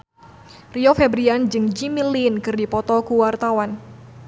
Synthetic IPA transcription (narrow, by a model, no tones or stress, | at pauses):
riɔfɛbɾiand͡ʒɨŋd͡ʒimilinkɨrdipɔt̪ɔkuwart̪awan